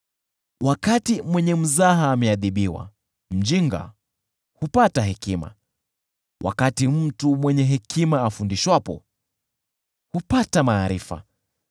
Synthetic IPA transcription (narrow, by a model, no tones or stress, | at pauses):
wʔakatimwɛɲɛm̩zaɦaːmɛaðiɓiwa̰ | m̩d͡ʒiŋɡa̰ | hupataɦɛkima̰ | wʔa̰katim̩tumwɛɲɛɦɛkimaːfundiʃwapɔ̰ | hupatamaːɾifa̰